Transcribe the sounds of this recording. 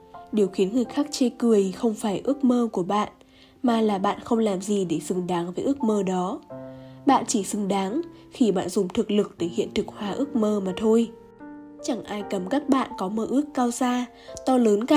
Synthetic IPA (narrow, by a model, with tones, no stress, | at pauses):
ɗe˨˩əwxi˨˦ənŋɨ˨˩əjxaː˦˥k̚t͡ɕe˧kɨ˨˩əjxə˧wŋ͡mfaː˧˩jʔɨ˦˥ək̚məː˧ku˧˩əɓa̰ː˧˨n | maː˨˩laː˨˩ɓa̰ː˧˨nxə˧wŋ͡mlaː˨˩mzi˨˩ɗe˧˩zɨ˨˩ŋɗaː˨˦ŋvəː˨˦ʔɨ˦˥ək̚məː˧ɗɔ˨˦ | ɓa̰ː˧˨nt͡ɕi˧˩zɨ˨˩ŋɗaː˨˦ŋ | xi˧˩ɓa̰ː˧˨nzʊ˨˩ŋ͡mt̪ʰɨ˨˩k̚lɨ˨˩k̚t̪əː˧˩jhḭ˧˨ənt̪ʰɨ˨˩k̚hwaː˨˧˩ʔɨ˦˥ək̚məː˧maː˨˩t̪ʰo˧j | t͡ɕa˧˩ŋʔaː˧jkə˨˧˩mkaː˦˥k̚ɓa̰ː˧˨nkɔ˨˦məː˧˩ʔɨ˦˥əkːaː˧wzaː˧ | t̪ɔ˧ləː˨˦nka˧˨